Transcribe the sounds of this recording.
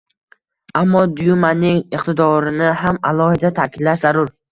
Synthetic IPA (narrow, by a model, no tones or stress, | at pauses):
amːɒd̪ʊjʊmanɪŋɪqt̪ʰɪd̪ɒɾɪnɪɦamalˠɒhɪd̪at̪ʰakʲʰɪd̪laʃzaɾʊɾ